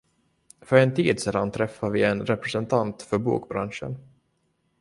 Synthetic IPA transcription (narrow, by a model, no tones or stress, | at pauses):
fœɾɛnt̪ʰiːd̪sɛːd̪ant̪ʰɾɛfːavɪɛnɾɛpɾɛsɛnt̪ʰant̪fœɾbṵːkbɾa̰nʂə̰n